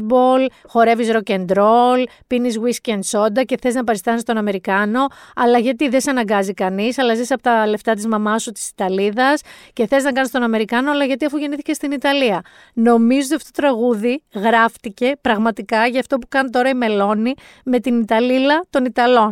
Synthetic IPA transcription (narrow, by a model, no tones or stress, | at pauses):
bol | xo̞ɾe̞visɾo̞ce̞nd̪ɾo̞l | pinizɣwiscend̪so̞nd̪ɐce̞θeznɐpɐɾist̪ɐnist̪o̞nɐme̞ɾikɐno̞ɐlɐʝɐt̪iðe̞sɐnɐŋɡɐzikɐnisɐlɐzisɐpo̞t̪ɐle̞ft̪ɐt̪̬izmɐmɐsut̪i̥si̥t̪ɐliðɐsce̞θeiznɐkɐnist̪o̞nɐme̞ɾikɐno̞ɐlɐʝɐt̪̬iɐfuʝe̞niθice̞st̪init̪ɐliɐ | no̞mizot̪iɐfot̪ot̪ɾɐɣuðiɣɾɐft̪ice̞pɾɐɣmɐt̪ikɐʝɐːft̪o̞pu̥kɐnt̪o̞ɾɐime̞lo̞ni | me̞t̪init̪ɐlilɐt̪o̞nit̪ɐlo̞n